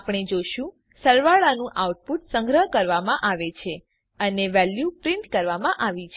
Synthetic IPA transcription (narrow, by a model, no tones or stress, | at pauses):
apɳ̃ed͡ʒoʃũ | səɾʋaɭanũʔawʈ̚puʈsəŋɡɾəɦkəɾʋamãʔaʋet͡ʃʰe | əneʋɛljupɾiɳʈkəɾʋamãʔaʋit͡ʃʰ